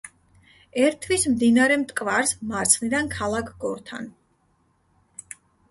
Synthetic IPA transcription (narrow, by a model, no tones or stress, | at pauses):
ɛɾt̪ʰːvismd̪inaɾɛmt̪ʼkʼvaɾsmaɾt̪sʰχnid̪ankʰalˠakʰɡɔɾt̪ʰa̰n